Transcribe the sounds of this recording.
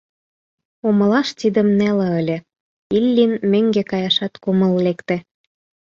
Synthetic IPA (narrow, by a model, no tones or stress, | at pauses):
omɤ̆lɑʃt̪id̪ə̆mnælɑə̆lʲĕ | ilʲːinmøŋɡekɑjɑʃɑt̪komə̆llekt̪ĕ